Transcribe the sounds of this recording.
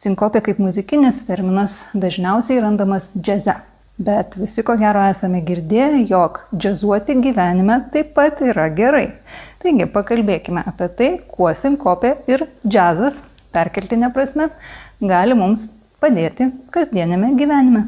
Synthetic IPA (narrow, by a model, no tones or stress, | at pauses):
sʲɪŋkoːpʲeːkɐɪpmʊzʲɪkʲɪnʲɪst̪ʲɛɾʲmʲɪnɐsd̪ɐʒʲnʲɛʊsʲɛɪɾɐnd̪ɐmɐsd͡ʒʲɛzʲɛ | bʲɛt̪ʋʲɪsʲɪkoːɡʲæːɾoːæːsɐmʲɛɡʲɪɾʲd̪ʲeːjɛjoːkd͡ʒʲɛzuɔt̪ʲɪɡʲiːʋʲæːnʲɪmʲɛt̪ɐɪpɐt̪iːɾɐɡʲɛɾɐɪt̪ɐɪɡʲɪpɐkɐlʲbʲeːkʲɪmʲɛʔɐpʲiɛt̪ɐɪkuɔsʲɪŋkoːpʲeɪɾd͡ʒʲæːzɐs | pʲæɾʲkʲɛlʲt̪ʲɪnʲɛpɾɐsʲmʲɛɡɑːlʲɪmʊms | pɐd̪ʲeːt̪ʲɪkɐzʲd̪ʲiɛnʲɛmʲɛɡʲiːʋʲæːnʲɪmʲɛ